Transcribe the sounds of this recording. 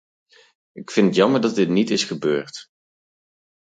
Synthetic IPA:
ɪkfɪnətjɑməɹdɑt̚dɪtnitɪsχəbøːɹt

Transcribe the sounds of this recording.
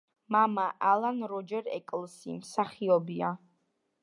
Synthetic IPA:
mamaʔalˠanɾɔd͡ʒɛɾɛ̰kʼlˠsḭmsaχiɔbia

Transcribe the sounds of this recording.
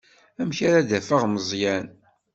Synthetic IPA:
æmçaɾaðæfəʁməzˤjæn

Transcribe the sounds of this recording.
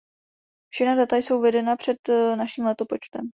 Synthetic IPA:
fʃɛxnadat̪ajso̞wvɛdɛnapr̝̥ɛt̪naʃiːmlɛt̪o̞po̞t͡ʃt̪ɛm

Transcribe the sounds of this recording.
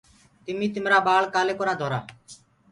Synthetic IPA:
t̪ɪmiːt̪ɪmɾaːbaːɭkaːleːkɔɾaːd̪ʱɔːɾa̰ː

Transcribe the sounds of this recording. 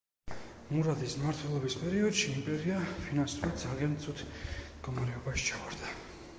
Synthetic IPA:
muɾad̪ismaɾt̪ʰwɛlˠɔbispʼɛɾiɔd̪ʃiːmpʼɛɾiapʰinansuɾid̪zaliant̪sʼut̪ʰmd̪̥ɡɔmaɾɛɔbaʃi̥t͡ʃʰawaɾd̪a

